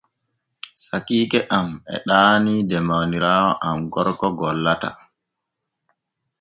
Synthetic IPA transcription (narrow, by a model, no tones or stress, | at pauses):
sakiːkɛʔamɛ̰ɗaːnidɛmawniɾaːwɔʔamɡɔɾkɔɡɔlːata̰